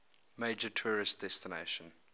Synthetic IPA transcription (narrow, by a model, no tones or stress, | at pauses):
meɪd͡ʒətʰuːɹɪstd̥ɛstɪnḛɪʃə̃n